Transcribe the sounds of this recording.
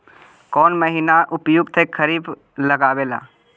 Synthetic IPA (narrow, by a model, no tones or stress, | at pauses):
kɔːnməɦinaʔʊpjʊɡt̪ʰekʰəɾiːb | ləɡaːweːla̰ː